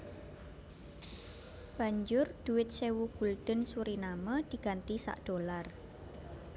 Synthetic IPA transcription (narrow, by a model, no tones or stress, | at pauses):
b̥a̤ɲd͡ʒʊrd̪̥uwɪt̪̚sewuɡ̥uld̪̥ə̤nsuɾinaməd̪̥i̤ɡ̥a̤nt̪isa̰ʔd̪̥olar